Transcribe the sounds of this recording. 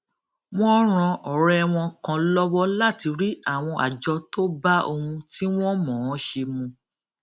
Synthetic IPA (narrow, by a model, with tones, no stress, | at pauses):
w̃ɔ̃˦ɾ̃ã˧ʔɔ˨ɾɛ˦˧w̃ɔ̃˧kã˨lɔ˦wɔ˦la˦˨ti˧ɾi˦a˦˨w̃ɔ̃˧ʔa̰˨d͡ʒɔ˧to˦ba˦o˧hũ˧ti˦w̃ɔ̃˦mɔ̃˨ɔ̃˨˦ʃe˧mũ˧